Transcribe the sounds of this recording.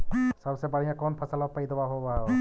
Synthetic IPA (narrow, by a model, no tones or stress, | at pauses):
sɔbsɛpaɹijãkɔnpʰasalɔk̚pajd̪ɔbaɦoba